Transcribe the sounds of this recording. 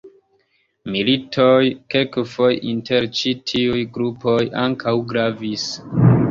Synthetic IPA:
militʰojkelkfojinteɾt͡ʃitʰiujɡɾupoja̰ŋkawɡɾavis

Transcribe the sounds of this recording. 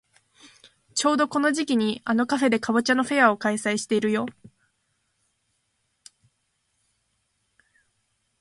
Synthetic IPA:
t͡ɕo̞ːd̪o̞ko̞no̞ʑikʲiɲ̟iano̞kaɸe̞d̪e̞kaβɯ̟t͡ɕano̞ɸe̞jao̞kaisaiɕi̥t̪e̞iɾɯ̟jo̞

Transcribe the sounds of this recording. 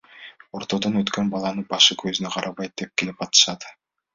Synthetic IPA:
o̞ɾt̪o̞d̪onøt̪kønbɑlˠɑnɯbɑʃɯkʰøzynøqʰɑɾʔɑβɑjt̪̚d̪e̞p̚kilip̚ɑt̪ɯ̥ʃɑt̪

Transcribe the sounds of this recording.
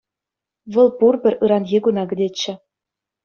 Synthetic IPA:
ʋɤ̆lˠpurbʲɘ̆rʲɯɾɑnɣʲiɡunɑɡɘ̆dʲet͡ɕːɘ̆

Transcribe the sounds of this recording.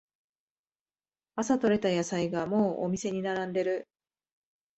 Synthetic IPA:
asat̪o̞ɾe̞t̪ajasaiɡamo̞ːʔo̰mʲise̞ɲ̟inaɾãnd̪e̞ɾɯ̟

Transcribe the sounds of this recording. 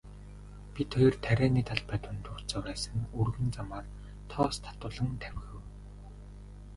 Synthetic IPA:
pʲit̪ʰɔjɞ̆rt̪ʰæɾʲæːniːt̪ʰaɮpæt̪wʊ̆nt̪ʰʊrt͡sœːwæːsə̆ŋurɣɵ̆nt͡samaːr | t̪ʰɔːst̪ʰḁt̪ʊːɮə̆ŋt̪ʰæwʲxɘ̆w

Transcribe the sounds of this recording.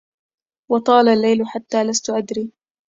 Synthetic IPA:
wɑt̪ˤɑːlalːajlʊħat̪ːaːlast̪ʊʔad̪ɾiː

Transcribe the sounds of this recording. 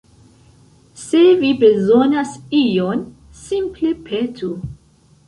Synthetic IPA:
se̞vibe̞zonasijon | simplepʰetʰu

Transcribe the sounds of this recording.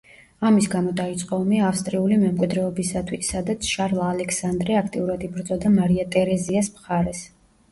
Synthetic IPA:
amisɡamɔd̪ait̪sʼqʼɔɔmiaːfst̪ʼɾiulimɛmkʼid̪ɾɛɔbisat̪ʰwisːad̪at̪sʰʃaɾlˠaːlɛkʰsand̪ɾɛakʰt̪ʼiuɾad̪ibɾd̪zɔd̪amaɾiat̪ʼɛɾɛziasmχaɾɛs

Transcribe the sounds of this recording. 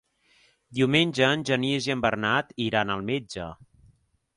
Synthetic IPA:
d̪iwmenʲd͡ʒəːnʲʒənieziəmbərnat̪iɾanəlˠmed͡ʒə

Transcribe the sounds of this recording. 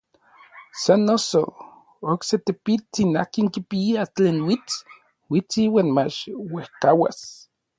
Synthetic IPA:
sanːoso̰ | okset̪epit͡sinahkiŋkipiiat͡ɬeːnwit͡si̥ | wit͡siwaːnmat͡ʃwehkawa̰s

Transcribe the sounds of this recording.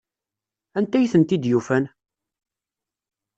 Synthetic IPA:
ænt̪æjθənt̪id̪jufæn

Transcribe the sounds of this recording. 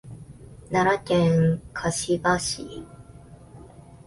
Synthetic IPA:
naɾakẽŋkʰaɕibaɕḭ

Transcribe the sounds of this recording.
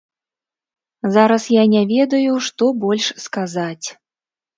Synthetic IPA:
zaɾɐsjanʲavʲɛd̪ɐjuʂt̪ɔbɔlʲʂskazat͡sʲ

